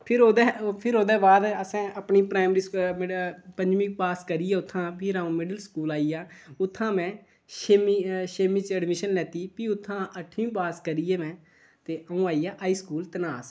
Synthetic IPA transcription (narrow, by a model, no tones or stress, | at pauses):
pʰɪɾoːd̪ɛːpʰɪɾoːd̪ɛːbaːd̪əsɛ̃ːəpniːpɾaːmɾiːsmɪpəɲd͡ʒmĩːkpaːskəɾiːɛːʊt̪ʰːãːpɪɾaːũːmɪɖəlskuːlaːiːjaːʊt̪ʰːãːmɛ̃ː | ʃemiːʃeːmiːt͡ʃəɖmɪʃənlɛːt̪iːpiːʊt̪ʰːãːʔəʈʰːĩːpaːskəɾiːeːʋɛ̃ː | t̪eːəũːaːiːaːʔaːiːskuːlt̪ənaːs